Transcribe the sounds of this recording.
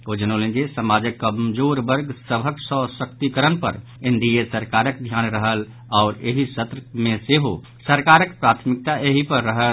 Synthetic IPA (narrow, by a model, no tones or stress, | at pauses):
od͡ʒənolẽnd͡ʒesəmad͡ʒəkːəmd͡ʒoɾbəɾɡsəbʱəksəsəkt̪ikəɾənpə̰ɾ | eɳɖiesəɾkaɾək̚d̪ʱjanɾəɦəl | aʊɾeɦisət̪ɾəmẽseɦo | səɾkaɾəkpɾat̪ʰmik̚t̪aʔeɦipəɾːəɦə